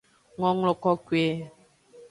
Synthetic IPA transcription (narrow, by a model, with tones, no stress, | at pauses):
ŋɔ˦ŋlɔ˨kɔ˦kwe˦